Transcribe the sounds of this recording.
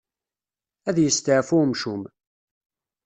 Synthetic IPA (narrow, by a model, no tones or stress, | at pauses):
æðjəst̪əʕfʊmʃum